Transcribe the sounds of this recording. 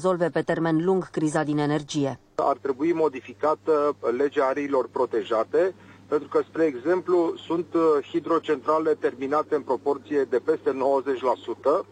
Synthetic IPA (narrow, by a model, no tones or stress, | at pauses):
zo̞lve̞pe̞t̪e̞rme̞nluŋɡkɾizad̪ine̞ne̞rd͡ʒije̞ | a̰rt̪ɾe̞buimo̞d̪ifikat̪əle̞d͡ʒeaɾiːlo̞rpɾo̞t̪e̞ʒat̪e̞pe̞nt̪ɾukəspɾe̞ːɡze̞mplusunt̪hid̪ɾo̞t͡ʃe̞nt̪ɾale̞t̪e̞rminat̪e̞ɨnpɾo̞po̞rt̪sije̞d̪e̞pe̞st̪e̞no̞wəze̞t͡ʃʲlasut̪ə